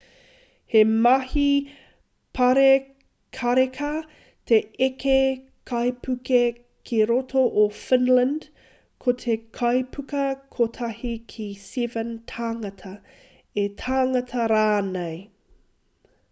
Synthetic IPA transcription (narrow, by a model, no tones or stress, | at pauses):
hemɐhi | pʰɐɾe | kʰɐɾekʰɐ | t̪ʰeeke | kʰɐjpʰʉke | kʰiɾotʰoʔofɪnlə̃nd | kʰot̪ʰekʰɐjpʰʉkɐkʰot̪ʰɐhikʰistivəntʰaːŋɐtʰɐ | etʰaːŋɐtʰɐɾaːnej